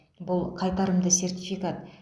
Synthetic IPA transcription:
bʊlˠqʰɑjt̪ɑɾəmd̪əse̞rt̪ʲijfikat̪

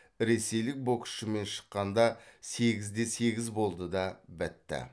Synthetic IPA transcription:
ɾe̞se̞jlɪk̚bokʃɪme̞nʃə̥qːɑnd̪ɑse̞ɡʲɪzd̪e̞se̞ɡʲɪzbo̞lˠd̪əd̪ɑbɪt̪ːɪ̰

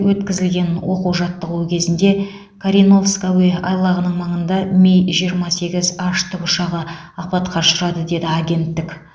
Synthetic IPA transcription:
wɵt̪kʲɪzɪlɡʲe̞nwo̞quwʒɑt̪ːəʁuwəkʲʰe̞zɪnd̪e̞ | kʰaɾijno̞vskawejɑjlˠɑʁənəɴmɑɴənd̪ɑmʲejʒijəɾmɑse̞ɡʲɪzɑʃt̪ʰʊpʊʃɑʁəɑq̚pɑt̪qʰɑʃʊɾɑd̪əd̪e̞d̪ɪaɡʲe̞nt̪ːɪkʲ

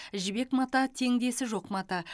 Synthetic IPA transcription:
ʒɪbe̞kmɑt̪ɑt̪ʰe̞ŋd̪e̞sɪʒo̞qmɑt̪ɑ

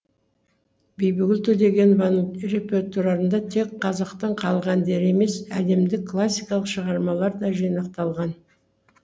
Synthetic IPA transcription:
bejbɪɡʲɪlt̪ʰɵd̪e̞ɡʲe̞nvɑnre̞pʲe̞rt̪oɾɑɾənd̪ɑt̪ʰe̞kqʰːɑzɑqt̪əɴqʰɑlˠʁɑnd̪e̞ɾe̞me̞sæd̪e̞md̪ɪkʰːlˠasʲːijkɑlˠəqʃəʁɑɾmɑlˠɑɾd̪ɑʒijnɑq̚t̪ɑlˠʁɑn

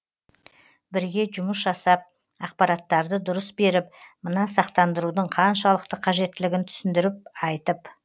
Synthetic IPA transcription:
bɪɾɡʲe̞ʒʊməsʒɑsɑp̚ | ɑq̚pɑɾɑt̪ːɑɾd̪əd̪ʊɾəsbe̞ɾɪp̚mənɑsɑq̚t̪ɑnd̪əɾud̪əɴqʰɑnʃɑlˠəqt̪əqʰɑʒe̞t̪ːɪlɪɡʲɪnt̪ʰʏ̥sɪnd̪ɪɾɪp̚ɑjt̪əp

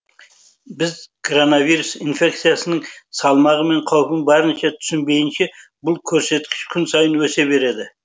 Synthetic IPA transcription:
bɪzkʰoɾo̞navijɾusinfʲe̞k̚t̪sijasənəɴsɑlˠmɑʁəme̞ɴqʰɑwpənbɑɾənʃɑt̪ʰʏ̥sɪnbe̞jɪnʃe̞bʊlˠkʲʰɵɾse̞t̪kʲɪ̥ʃkʲʰʏnsɑjənwɵse̞be̞ɾe̞d̪ɪ

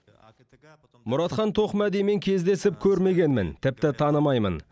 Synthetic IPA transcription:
mʊɾɑt̪χɑnt̪ʰo̞qmæd̪ejme̞ŋkʲʰe̞zd̪e̞sɪp̚kʲʰɵɾme̞ɡʲe̞nmɪnt̪ʰɪp̚t̪ɪt̪ʰɑnəmɑjmə̰n

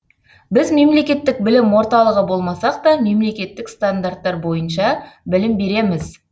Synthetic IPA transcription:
bɪzme̞mle̞kʲe̞t̪ːɪk̚bɪlɪmwo̞ɾt̪ɑlˠəʁəbo̞lˠmɑsɑq̚t̪ɑme̞mle̞kʲe̞t̪ːɪkst̪and̪art̪ːɑɾbo̞jənʃɑbɪlɪmbe̞ɾe̞mɪz

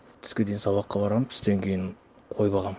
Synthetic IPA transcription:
t̪ʰʏ̥skʲe̞d̪ejɪnsɑβɑqːɑbɑɾɑməmt̪ʰʏ̥st̪eŋkʲʰe̞jɪn | qʰo̞jbɑʁɑm

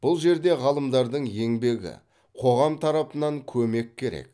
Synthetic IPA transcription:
b̥ʊlˠʒe̞ɾd̪e̞ʁɑlˠəmd̪ɑɾd̪əɴje̞ŋbe̞ɡʲɪ̰ | qʰo̞ʁɑmt̪ʰɑɾɑpənɑŋkʲʰɵme̞kʲʰːe̞ɾḛk̚

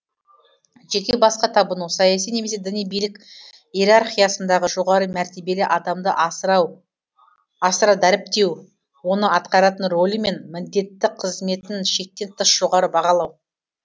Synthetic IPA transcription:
ʒe̞kʲe̞bɑsqɑt̪ʰɑbənuwsɑjɑs̬ijne̞me̞s̬e̞d̪ɪnijbijlɪkʲ | eɾarχijasənd̪ɑʁəʒo̞ʁɑɾəmæɾt̪e̞be̞lɪʔɑd̪ɑmd̪əʔw | ɑsəɾɑd̪æɾɪp̚t̪e̞w | wo̞nəɑt̪qɑɾɑt̪ənro̞lʲˠəme̞nmɪnd̪e̞t̪ːɪqʰəzme̞t̪ɪnʃe̞k̚t̪e̞nt̪ʰəsʒ̥o̞ʁɑɾəbɑʁɑlˠɑw

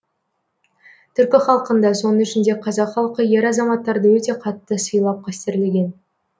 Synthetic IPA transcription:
t̪ʰʏɾkʲɪχɑlˠəqənd̪ɑso̞nəŋʏʃɪnd̪e̞qʰɑzɑqχɑlˠqəje̞ɾɑzɑmɑt̪ːɑɾd̪əwɵt̪e̞qʰɑt̪ːəsəjlˠɑp̚kʰʲæst̪ɪɾleɡʲe̞n

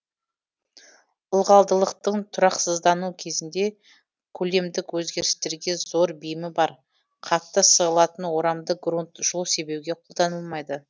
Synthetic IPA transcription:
ʊlˠʁɑlˠd̪əlˠəqt̪əɴt̪ʰʊɾɑqsəzd̪ɑnukʲʰe̞zɪnd̪e̞ | kʲʰɵle̞md̪ɪkwɵzɡʲe̞ɾɪst̪e̞ɾɡʲe̞zo̞ɾbijɪmɪbɑɾ | qʰɑtt̪ːəsəʁəlˠɑt̪ənwo̞ɾɑmd̪əɡrunt̪ʒ̥ʊlˠse̞be̞wɡʲe̞qʰo̞lˠd̪ɑnəlˠmɑjd̪ə

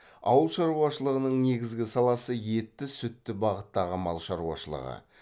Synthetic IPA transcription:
ɑ̰wəlˠʃɑɾuɑʃəlˠəʁənəɴne̞ɡʲɪzɡʲɪsɑlˠɑsəje̞t̪ːɪsʏt̪ːɪbɑʁət̪ːɑʁəmɑlˠʃɑɾuɑ̰ʃəlˠə̰ʁə̰

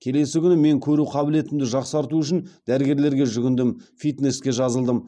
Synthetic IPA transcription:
kʲʰe̞le̞sɪkʲʰʏnɪme̞ŋkʲʰɵɾuqʰɑbɪle̞t̪ɪmd̪ɪʒɑqsɑɾt̪uʏʃ̬ɪnd̪̥æɾɪɡʲe̞ɾle̞ɾɡʲe̞ʒʏɡʲʏnd̪ɪmfijt̪ne̞skʲe̞ʒɑzəlˠd̪əm

